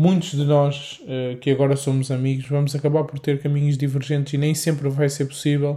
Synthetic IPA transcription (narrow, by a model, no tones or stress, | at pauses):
mũj̃t̪uʒðɨnɔʃ | ɛkɨɐɣɔɾɐsomuzɐmiɣuʃvɐmuzɐkɐβaɾpɔɾt̪eɾkɐmiɲuʒd̪ivɨɾʒẽnt̪zinẽj̃sẽmpɾvajseɾpu̥sivɛlˠ